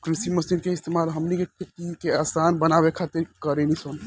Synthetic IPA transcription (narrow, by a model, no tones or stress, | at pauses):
kɾisiməsid̪keɪst̪emalɦəmnikeʈʰet̪ikeasanbənabekʰat̪eɾkəɾenison